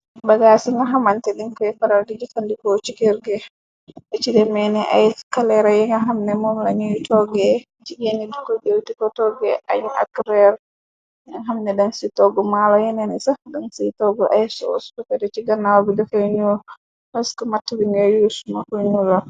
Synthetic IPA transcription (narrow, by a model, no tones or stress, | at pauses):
baɡasiŋɡaɦamantɛdiŋkɔɛfaɾaldid͡ʒikandikɔt͡ʃikeɾɡɛ | ɛt͡ʃidɛmɛnɛʔa̰jkalɛɾajɛŋɡaɦamnɛmɔmlaɲujtʰɔɡɛ | t͡ʃiɡenidikɔɡewtikɔtɔɡɛʔa̰jʔa̰kɾɛɾ | aɦamnɛdansitɔɡɔmalɔjɛnɛnisadansitɔɡɔʔajsɔ̰stɔfɛdɛt͡ʃiɡanːawbidɔkɔjɲul | paskɔmatːubiŋɡajusumakujnula